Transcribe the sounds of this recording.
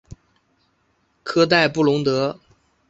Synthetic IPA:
kʰɤ˥t̪̬a˥˧ɪpu˥˩lʊ˧˥ŋt̪ɤ˧˥

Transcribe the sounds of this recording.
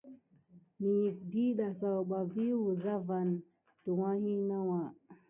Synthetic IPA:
ni˨ji˨k̚di˦ɗa˨sa˨wɓa˨vi˦wu˨za˦va˨n | tu˨wa˦hi˦na˦wa˨

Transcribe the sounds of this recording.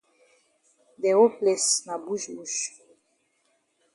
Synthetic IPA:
d̪ɛ˨o˦plɛ˨sna˨bu˦ʒbu˨ʃ

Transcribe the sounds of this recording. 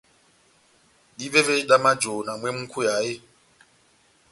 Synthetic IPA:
i˦βɛ˦vɛ˦i˦ɗa˦ma˦d͡ʒo˨na˨mwe˦m̩˦kʰu˦jaː˨˦ɪ˦

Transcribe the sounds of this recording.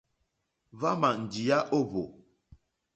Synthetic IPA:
va˦ma˨n̩˨d͡ʒi˨ja˦ʔo˦˨βo˨

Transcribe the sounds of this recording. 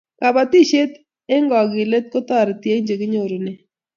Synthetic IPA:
ka˨ba˨ti˦ʃe˦t | e˦ŋɡɔ˨kɪ˨le˦t̚ko˦tɔ˦˨ɾtje˦ɲd͡ʒe˨kɪ˦ɲo˨ɾu˨ne˦

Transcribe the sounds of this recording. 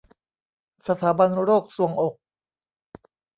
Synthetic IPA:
sa˧t̪ʰaː˩˦ba˧nɾoː˥˩k̚su˨˩˦əŋʔo˨˩k̚

